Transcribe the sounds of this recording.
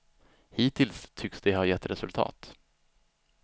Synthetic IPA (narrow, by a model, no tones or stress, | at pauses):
hiːt̪ʰɪlst̪ʰʏksd̪ɛhajɛt̪ːɾɛsɵlt̪ʰɑ̰ːt̪